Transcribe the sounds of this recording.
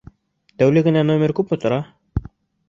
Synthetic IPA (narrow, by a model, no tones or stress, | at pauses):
t̪æwlɘɡɘ̆nænomʲeɾkʉpot̪ŏɾɑ